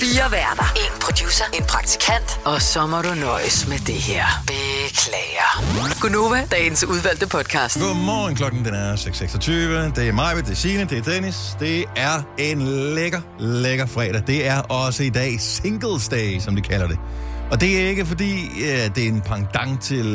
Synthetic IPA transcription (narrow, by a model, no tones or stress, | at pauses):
fiːɐʋæɐd̥ɐe̝npʰʁod̥juːsɐe̝npʰʁɑ̈ɡ̥̚t͡sʰi̥kʰæn̰d̥ɒsɒ̽mɒɾunɒɪsmed̥e̝ɦeɐ̰b̥e̝kʰlɛːɪɐonɡ̥ono̝ːʋæd̥ɛːn̩suð̞ˠʋæl̰d̥əpʰɒ̽d̥̚kʰɑ̈ːsd̥ɡ̥omɒ̰ːnkʰlɒ̽ɡ̥n̩d̥enæɐseɡ̥seɡ̥sɒ̽t͡sʰyːʋənəd̥e̝æɐmɑ̈ɪ̰ʋəd̥e̝siːnəd̥e̝æɐt͡sʰenisd̥e̝æɐe̝nleɡ̥ɐ | leɡ̥ɐfʁɛ̰ːd̥ɐd̥e̝æɐʔɒ̽səid̥ɛ̰ːse̝ŋɡ̥l̩ˠsd̥ɛːsɒ̽md̥ukʰælɐde̝ɒ̽d̥e̝æɐe̝ɡ̥əfɒ̽dḭːæd̥e̝ɐe̝npʰɑ̈ŋd̥ɑ̈ŋ̰t͡sʰe̝l